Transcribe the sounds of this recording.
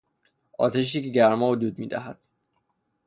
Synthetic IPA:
ɒ̰ːt̪ʰeʃ̬ekeɟæɾmɒːɦod̪uːd̪̚miːd̪æɦæd̪̥

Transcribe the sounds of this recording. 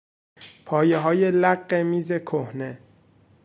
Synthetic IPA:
pʰɒːjeɦɒːjelæɢːemiːze̞kʰohne

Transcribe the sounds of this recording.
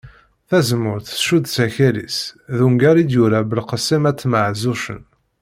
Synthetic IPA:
θæzmʊɾθʃud̪t͡sæçælḭsðuŋɡæɾid̪juɾabəlqəsːimæt͡sːməʕzuʃə̰n

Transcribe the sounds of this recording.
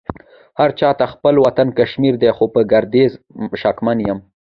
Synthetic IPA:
haɾt͡ʃɑt̪axpəlwat̪ankaʃmiɾd̪exopəɡaɾd̪ezʃɑkmanjəm

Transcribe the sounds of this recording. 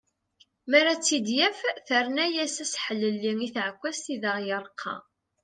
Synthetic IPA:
mæɾæt͡sːid̪jæfθəɾnæjæsæsħəlːəlːiŋiθʕəkʷːæsθiðəʁjəɾˤqʰːɑ̰

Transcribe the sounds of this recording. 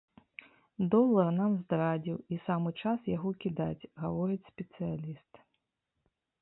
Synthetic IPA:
d̪ɔlˠɐrnamzd̪ɾad͡zʲiwisamɨt͡ʂasjaɣɔkʲid̪at͡sʲɣavɔɾɨt͡sʲspʲɛt̪sɨjalʲist̪

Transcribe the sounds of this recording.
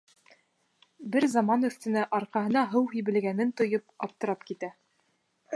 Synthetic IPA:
bɘɾzɑmɑnɵ̆θt̪ɘ̆næʔɑɾqɑɦɤ̆nɑɦɤwɦijbɘ̆lɡænɘnt̪ŏjɤp̚ɑp̚t̪ɤ̆ɾɑpkit̪æ

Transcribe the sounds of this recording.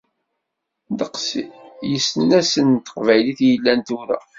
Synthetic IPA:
d̪əqsjəsənːæsənt̪ə̥qvæjliθjəlːænt̪uɾæ̰

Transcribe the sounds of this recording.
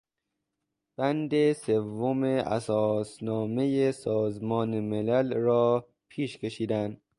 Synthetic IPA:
b̥ænd̪e̞se̞vːomeʔæ̰sɒːsnɒːme̞jesɒːzmɒːnemelælrɒː | pʰiːʃkʰʲe̞ʃiːd̪ænd̪̥

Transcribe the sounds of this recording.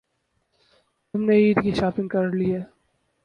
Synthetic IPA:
t̪ʊmneiːɾkiʃaːpɪ̃ŋɡkɐɾliɦɛː

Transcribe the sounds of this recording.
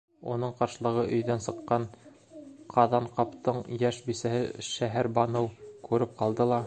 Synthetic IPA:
unɤɴqɑɾʃɤ̆lˠɤ̆ʁɤʔɵ̆jðænsɤ̆qːɑn | qʰɑðɑɴqɑpt̪ɤɴjæʃbisæhɘ̰ʃæɦæɾbɑnɤwkʉɾɘp̚qɑlˠd̪ɤlˠɑ

